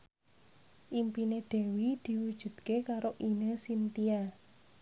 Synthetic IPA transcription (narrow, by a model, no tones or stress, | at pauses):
ʔimpineɖ̪̥ɛ̤wid̪̥i̤wud̥ʒ̥ṳd̪̥̚kekaɾoʔinəsint̪ia